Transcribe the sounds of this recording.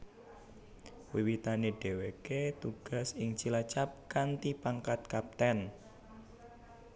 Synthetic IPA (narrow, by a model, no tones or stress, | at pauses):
wiwit̪aneɖ̥e̤weket̪uɡ̥a̤sɪŋt͡ʃilat͡ʃap̚kant̪ipaŋkat̪̚kap̚t̪ɛn